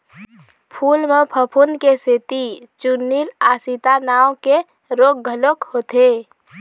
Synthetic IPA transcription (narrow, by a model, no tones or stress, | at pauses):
pʰuːlmepʰəpʰunkeset̪it͡ʃunːilaːsit̪anaːõke | ɾoːk̚ɡʱəlokhoːt̪e